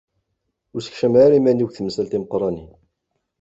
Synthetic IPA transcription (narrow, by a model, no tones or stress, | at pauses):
ʊɾsəkʃəmʕaɾimæniɡθməsælt̪iməqɾˤɑni